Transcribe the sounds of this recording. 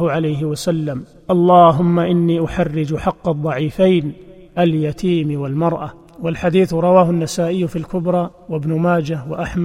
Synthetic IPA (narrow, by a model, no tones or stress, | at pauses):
ʕalajɦɪwasalːam | ʔɑlˤːɑːɦʊmːaʔɪnːiːʔʊħarːɪd͡ʒħɑqːɑd̪ˤːɑʕiːfajn | ʔaljat̪ʰiːmwalmɑɾˤʔa | walħad̪iːθɾˤɑwaːɦʊnːasaːʔɪjːʊfilkʊbɾˤɑː | wabnʊmaːd͡ʒawa̰ʔaħm